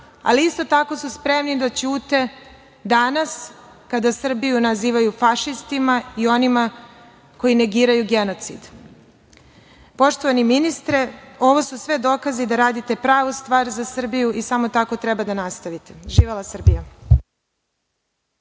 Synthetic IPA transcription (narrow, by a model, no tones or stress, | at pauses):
a̰liist̪o̞t̪ako̞suspɾe̞mnid̪at͡ɕuːt̪e̞ | d̪anas | kad̪asr̩bijunaziːʋajufaʃist̪imaio̞nima | koine̞ɡiːɾajuɡe̞no̞t̪sid̪ | po̞ʃt̪oʋaniminist̪ɾeo̞ʋo̞susʋe̞d̪o̞kazid̪aɾaːd̪it̪e̞pɾaːʋust̪ʋaːɾzasr̩bijuʔisamo̞t̪ako̞t̪ɾɛbad̪anast̪aʋit̪eʒiːʋelˠasr̩bija